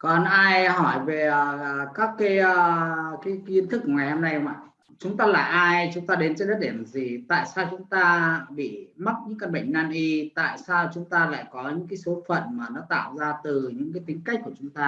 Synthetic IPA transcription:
kɔ˨˩nʔaː˧jhɔ˧˩jve˨˩əː˨˩˨kaː˦˥kːa˨˦jə˧kaː˨˦ji˧ənt̪ʰk̚ːŋa˨˩jho˧mna˧jma̰˧˨ | t͡ɕʊ˨˦ŋ͡mt̪aː˧la̰ː˨˩jʔaː˧jt͡ɕʊ˨˦ŋ͡mt̪aː˧ɗe˨˦nt͡ɕe˧nɗə˦˥t̚ɗi˧˩əm˨˩zi˨˩t̪a̰ː˧˨jsaː˧wt͡ɕʊ˨˦ŋ͡mt̪aː˧ɓḭ˧˨ma˦˥t̚ɲɨ̰˧˥ŋka˧nɓə̰˧˨ŋ̟naː˧nʔi˧t̪a̰ː˧˨jsaː˧wt͡ɕʊ˨˦ŋ͡mt̪aː˧la̰ː˧˨jkɔ˨˦ɲɨ̰˧˥ŋk̬aː˨˦jso˨˦fə̰˧˨nmaː˨˩nɔ˨˦t̪a̰ː˧˨wzaː˧t̪ɨ˨˩ɲɨ̰˧˥ŋkaː˨˦jt̪ï˨˦ŋ̟ka˦˥jk̟̚ku˧˩ət͡ɕʊ˨˦ŋ͡mt̪aː˧

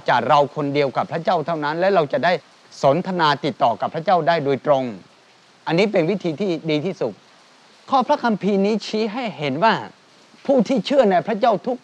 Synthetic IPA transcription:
t͡ɕaː˨˩k̚ɾa˧wkʰo˧ndi˧əwka˨˩pʰːɾa˦˥t͡ɕaː˥˩wt̪ʰa˥˩wna˦˥nlɛː˦˥ɾa˧wt͡ɕa˨˩daː˥˩j | so˩˦nt̪ʰa˧naː˧t̪i˨˩t̪ːɔː˨˩ka˨˩pʰɾa˦˥t͡ɕaː˥˩wdaː˥˩jdo˧jt̪ɾo˧ŋ | ʔa˧nːiː˦˥p̬e˧nwi˦˥t̪ʰiː˧t̪ʰiː˥˩diː˧t̪ʰiː˥˩su˨˩t̚ | kʰɔː˥˩pʰɾa˦˥kʰa˧mpʰiː˧niː˦˥t͡ɕʰiː˦˥ɦa˥˩jɦe˩˦nwaː˥˩ | pʰuː˥˩t̪ʰiː˥˩t͡ɕʰɯ˥˩əna˧jpʰɾa˦˥t͡ɕaː˥˩wt̪ʰu˦˥k̚

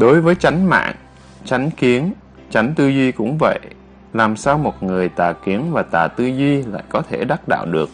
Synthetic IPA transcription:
ɗo˨˦jvəː˨˦jt͡ɕa˨˦jŋ̟ma̰ː˧˨ŋ | t͡ɕa˨˦jŋ̟ki˨˦ən | t͡ɕa˨˦jŋ̟t̪ɨ˧zwi˧kʊ̰˧˥ŋ͡mvə̰˧˨j | laː˨˩msaː˧wmo˨˩t̚ŋɨ˨˩əjt̪aː˨˩ki˨˦ənvaː˨˩t̪aː˨˩t̪ɨ˧zwi˧la̰ː˧˨jkɔ˨˦t̪ʰe˧˩ɗa˦˥t̚ɗa̰ː˧˨wɗɨ˨˩ək̚

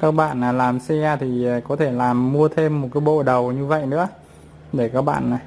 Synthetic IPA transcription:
kaː˦˥k̚ɓa̰ː˧˨naː˨˩laː˨˩msi˧ʔaː˧t̪ʰi˨˩˨kɔ˨˦t̪ʰe˧˩laː˨˩mːu˧ət̪ʰe˧mːo˨˩t̚kaː˨˦jɓo̰˧˨ɗə˨˩wɲɨ˧və̰˧˨jnɨ̰˧˥ə | ɗe˧˩kaː˦˥k̚ɓa̰ː˧˨n˨˩

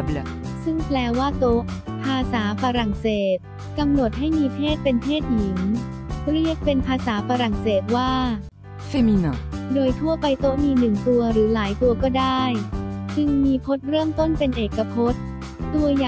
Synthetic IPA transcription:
blsɯ˥˩ŋplɛː˧waː˥˩t̪o˦˥ʔ | pʰaː˧saː˩˦faː˧ɾa˨˩ŋseː˨˩t̪̚ | ka˧mno˨˩t̪̚ɦa˥˩jmiː˧pʰeː˥˩t̪̚pe˧npʰeː˥˩t̪̚ji˩˦ŋ | ɾi˥˩ək̚pe˧npʰaː˧saː˩˦faː˧ɾa˨˩ŋseː˨˩t̪̚waː˥˩ | fe˧mi˧na˨˩doː˧jt̪ʰu˥˩əpa˧jt̪o˦˥ʔmiː˧nɯ˨˩ŋt̪u˧ɐɾɯː˩˦laː˩˦jt̪u˧ɐkɔː˥˩daː˥˩jt͡ɕɯ˧ŋmiː˧pʰo˦˥t̪̚ɾɤː˥˩mt̪o˥˩npe˧nʔeː˨˩kːa˧pʰo˦˥t̪̚ː | u˧ɐjaː˨˩

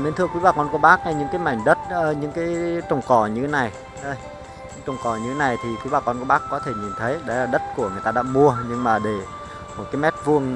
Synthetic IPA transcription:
ne˧nt̪ʰɨ˧ə˧kwi˨˦aː˨˩kɔ˧nku˧˩˦ɓaː˦˥k̚na˨˧˩jɲɨ̰˧˥ŋkaː˨˦ma̰˧˩jŋ̟ɗə˦˥t̚ːɲɨ̰˧˥ŋkaː˨˦jt͡ɕə˨˩wŋ͡mkɔ˧˩ɲɨ˧e˨˦na˨˩j | ɗə˧j | ɲɨ̰˧˥t͡ɕə˨˩wŋ͡mkɔ˧˩ɲɨ˧t̪ʰe˨˦na˨˩jt̪ʰi˨˩kwi˨˦ɓaː˧˩kɔ˧nku˧˩əɓaː˦˥kːɔ˨˦t̪ʰe˧˩ɲi˨˩nt̪ʰə˨˦jɗə˨˦laː˨˩ɗə˦˥t̚ku˧˩əŋɨ˨˩əjt̪aː˧ɗa̰ː˧˥mu˧əɲɨ˧ŋmaː˨˩ɗe˧˩ | mo˨˩t̚kaː˨˦mɛ˦˥t̚vu˧əŋ

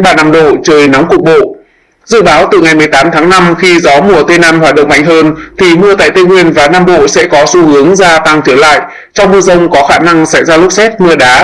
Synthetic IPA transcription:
ɓaː˨˩naː˧mɗo̰˧˨t͡ɕəː˨˩jna˨˦ŋ͡mkʊ˨˩ək͡p̚ɓo̰˧˨ | zɨ̰˧˨ɓaː˨˦wt̪ɨ˨˩ŋa˨˩jmɨ˨˩əjt̪aː˨˦mt̪ʰaː˨˦ŋna˧mxi˧zɔ˨˦mu˧˩ət̪e˧naː˧mhwaː˨˩t̚ɗə̰˧˨ŋ͡mma̰˧jŋ̟ɦəː˧nt̪ʰi˨˩mɨ˧ət̪a̰ː˧˨jt̪e˧ŋwi˧ənvaː˨˩naː˧mɓo̰˧˨sɛ̰˧˥kɔ˨˦su˧hɨ˨˦əŋzaː˧t̪a˧˩ŋt̪ʰi˧˩əwla̰ː˧˨jʔ | t͡ɕɔ˧wŋ͡mmɨ˧əzə˧wŋ͡mkɔ˨˦xaː˧˩na˧ŋsa̰˧˩jzaː˧lʊ˦˥k͡p̚sɛ˦˥t̚mɨ˧əɗaː˨˦

